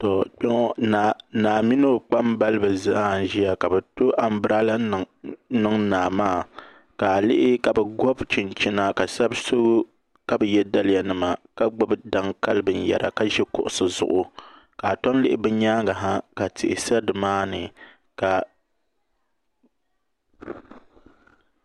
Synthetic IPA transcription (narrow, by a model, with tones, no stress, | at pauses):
tɔ˨k͡pɛ˦ŋɔ˦nanaː˨mi˦n˦o˨k͡pa˦mba˦lɨ˦bɨ˨za˦˨ʒi˦ja˨ka˨bɛ˨to˦ʔa˨m˦bɨ˦ɾa˦la˦˨ | nɨ˦ŋnaː˨maː˦˨ | ka˨lɪ˦ʔɪ˦ka˨bɛ˨ɡɔ˦bt͡ʃɪ˨nt͡ʃɪ˦na˦ka˨sa˦bso˦ɡ | ka˦bɛ˨jɛ˦da˦lɪ˦ja˨nɨ˨ma˨ka˦ɡ͡bʊ˦bda˦ŋka˦lɨ˦bɨ˨n˦ja̰˨ɾa̰˨ka˦ʒɛ˦kʊ̰˦ʔʊ˨sɨ˨zʊ̰˨ʔʊ˨ | ka˨tɔ˦n˦lɪ˦ʔɪ˦bɛ˦ɲaː˦ɡa˨ɦa˦ka˨tɪ̰˨ʔɪ˨sa˦dɨ˨maː˦nɨ˨ | ka˨